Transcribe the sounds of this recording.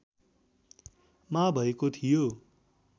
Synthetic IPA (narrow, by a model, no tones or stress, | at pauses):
mabʱʌekot̪ʰijo